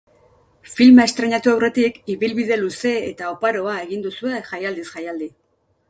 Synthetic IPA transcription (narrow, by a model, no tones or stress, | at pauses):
filmae̞st̪ɾeɲat̪uawre̞t̪ikiβilβiðe̞luse̞ḛt̪aopaɾo̞ae̞ɣind̪usue̞ʝajald̪isʝajald̪i